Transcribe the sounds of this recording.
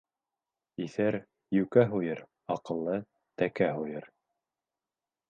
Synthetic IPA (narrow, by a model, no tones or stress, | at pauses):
iθæɾ | jʉkæɦujɤɾ | ɑqɤ̆lˠːɤ | t̪ækæɦujɤɾ